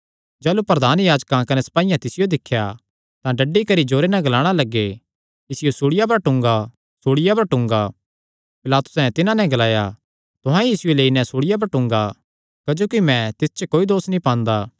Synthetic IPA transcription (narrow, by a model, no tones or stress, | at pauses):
d͡ʒɛːlupɾɐd̪aːnjaːd͡ʒkãkɐnɛsɐ̥paːijãt̪ɪsɪjod̪ɪkʰːja | t̪ãɖɐɖːikɐɾid͡ʒoːɾenɛ̃ɡɐlaːɽ̃alɐɡːe | ɪsɪjosuːɽɪjap̬ɐɾʈʊ̃ŋɡa | suːɽɪjap̬ɐɾʈʊ̃ŋɡa | pɪlaːt̪ʊ̥sɛ̃t̪ɪnãnɛ̃ɡɐlaːja | t̪ʊɦãjiːsʊeleːinɛ̃sʊɽɪjap̬ɐɾʈʊ̃ŋɡa | kɐd͡ʒoːkimɛ̃t̪ɪst͡ʃəkoːid̪oːsnĩpãːnd̪aː